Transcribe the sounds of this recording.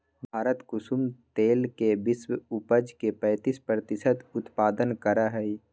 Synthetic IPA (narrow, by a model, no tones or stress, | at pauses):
bʱaːɾət̪kʊsumt̪eːlkebɪswʊpəd͡ʒkepɛ̃ːt̪ispɾət̪ɪsət̪ʊt̪paːd̪ənkəɾaɦɛi